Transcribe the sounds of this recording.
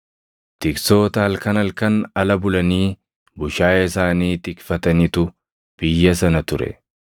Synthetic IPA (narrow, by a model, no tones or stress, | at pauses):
t̪ɪkso̞ːt̪ɐɐlkɐnɐlkɐnɐlɐbʊlɐniː | bʊʃaːjɪsaːniːt̪ɪkfɐt̪ɐnɪt̪ʊ | b̥ɪjːɐs̬ɐnɐt̪ʊɾɛ̰